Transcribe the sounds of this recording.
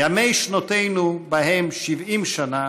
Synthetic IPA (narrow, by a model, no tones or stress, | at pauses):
amejʃnat̪ejnubaɦemʃivimʃana